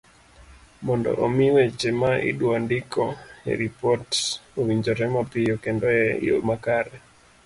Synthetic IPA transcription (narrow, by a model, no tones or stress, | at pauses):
mɔndɔ̰ʔomiwɛt͡ʃɛmaʔḭɗwandikɔhɛ̰ɾipɔtowiɲd͡ʒɔɾɛmɔpijɔkɛndɔɛjo̰makaɾɛ